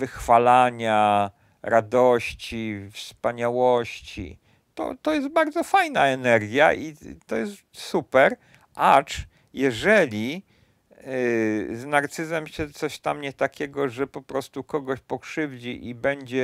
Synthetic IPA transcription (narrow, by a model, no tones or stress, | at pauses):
vɘxfalaɲa | ɾʔad̪ɔɕt͡ɕifspaɲawɔɕt͡ɕḭ | t̪ɔ̰t̪ɔjɛst̪̚baɾd̪zɔfajnaɛnɛɾɡʲja̰ʔit̪ɔjɛst̪supɛɾ | ʔat͡ʂ | jɛʐɛlʲi | znaɾt̪sɘzɛmɕɛt̪sɔɕt̪amɲɛt̪akʲɛɡɔʐɛpɔpɾɔst̪ukɔɡɔɕpɔkʂɘvd͡ʑiʔibɛɲd͡ʑɛ